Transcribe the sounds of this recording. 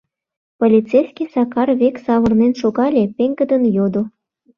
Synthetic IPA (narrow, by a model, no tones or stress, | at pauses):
polʲit͡sejsʲkʲisɑkɑrβeksɑβɤrnenʃoɣɑlʲepʲeŋɡə̆d̪ənjod̪o